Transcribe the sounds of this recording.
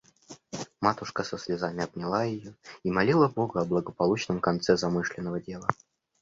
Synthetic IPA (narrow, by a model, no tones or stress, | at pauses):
mat̪ʊʂkəsəsʲlʲɪzamʲɪɐb̚nʲɪlˠajɪjoimɐlʲilˠəbo̞ɡʊɐblˠəɡəpɐlˠut͡ɕnəmkɐnt̪sɛzɐmɨʂlʲɪnːəvədʲe̞lˠə